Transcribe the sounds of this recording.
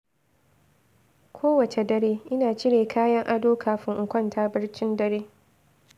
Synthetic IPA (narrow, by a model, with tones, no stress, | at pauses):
kʷʰoː˦wɐ˨t͡ʃe˨dɐ˦ɽeː˦ʔɪ˦naː˨t͡ʃɪ˦ɽeː˨kʰaː˦jɐ˦ŋʔa˦doː˦kʰaː˨ɸɪ˦ŋʔʊ˨kʷɐ˦˨ntʰaː˦bɐ˦ɽt͡ʃɪ˦ndɐ˦ɽeː˦